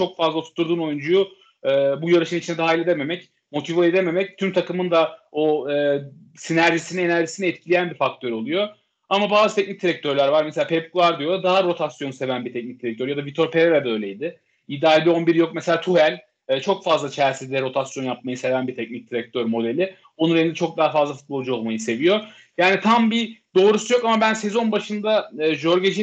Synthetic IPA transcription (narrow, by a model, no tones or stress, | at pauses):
t͡ʃʰo̞kfazlˠat̪ʰu̥t̪ʰːuɾd̪uːno̞jund͡ʒujʊ | ɛːbujoɾeʃinit͡ʃind̪ɛd̪aɦailʲed̪eme̞mɛc | mo̞t̪ʰivaed̪eme̞mɛc̚t̪ʰymt̪ʰakɯmɯnd̪aoɯː | sinæɾʒisinine̞næɾʒisiniɛt̪̚cʰilʲijænbifak̚t̪ʰø̞ɾo̞lˠujo̞ | amabaːzɯt̪ʰɛc̚nic̚t̪ʰiɾɛc̚t̪ʰøɾlʲæɾvaɾmeseaːpʰɛpkʰulˠaɾd̪ijo̞lˠad̪aɦaɾo̞t̪ʰasjonse̞vænbiɾt̪ʰɛc̚nic̚t̪iɾɛc̚t̪ʰøɾjad̪avit̪ʰo̞ɾpʰe̞ɾelɛd̪ø̞jlʲejd̪ɪ | id̪aːbio̞nbiɾjo̞k̚mɛselʲaːt̪ʰuɦælʲː | t͡ʃʰo̞kfazlˠat͡ʃʰæɾsid̪ɛɾo̞t̪ʰasjo̞njap̚majɯse̞vænbit̪ʰɛcnic̚d̪ʰiɾɛc̚t̪ʰø̞ɾmo̞d̪e̞lʲɪ | onunɾeind̪ɛt͡ʃʰo̞k̚d̪aɦafazlˠafut̪̚bo̞lˠd͡ʒuo̞lˠmajɯse̞vijo̞ | jaːnit̪ʰambid̪̥o̞ːɾusujo̞kamabænse̞zo̞nbaʃɯnd̪aːʒoɾɡed͡ʒi